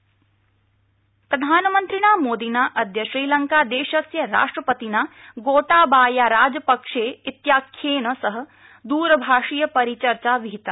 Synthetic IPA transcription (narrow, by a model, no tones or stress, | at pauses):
pɾɐd̪ʱaːnɐmɐnt̪ɾiɽ̃aːmoːd̪inaːʔɐd̪ʱjɐʃɾiːlɐŋkaːd̪eːʃɐsjɐɾa̰ːʂʈɾɐpɐt̪inaːɡoːʈaːbaːjaːɾaːd͡ʒɐpɐkʂeːit̪jaːkʰjeːnɐsɐɦɐ̆ | d̪uːɾɐbʱaːʂijɐpɐɾit͡ʃɐɾt͡ʃaːʋiɦit̪a